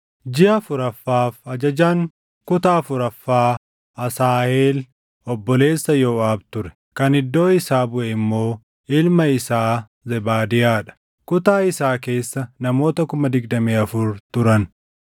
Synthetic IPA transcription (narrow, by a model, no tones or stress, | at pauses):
d͡ʒɪʔɐfʊɾɐfːaːfɐd͡ʒɐd͡ʒaːŋ | kʊt̪aːfʊɾɐfːaː | ɐsaːheːl | ɔbːɔle̞ːsːɐjo̞ːaːbt̪ʊɾɛ̥ | kɐnɪd̪ːo̞ːɪsaːbʊʔɛɪmːo̞ː | ɪlmɐɪsaː | zɛbaːd̪ɪjaːᶑɐ̥ | kʊt̪aːɪsaːke̞ːsːɐnɐmo̞ːt̪ɐkʊmɐd̪ɪɡd̪ɐmeːɐfʊɾt̪ʊɾɐn